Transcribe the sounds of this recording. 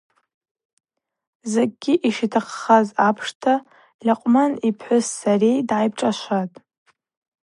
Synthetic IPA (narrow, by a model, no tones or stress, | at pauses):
zeɡ̚ɡʲiʔiʂitʰaqχazapʰʂtʰa | lʲaqʷʼmanipʰħʷʊsːarejdʕajb̚ʈ͡ʂʼaʃʷatʼ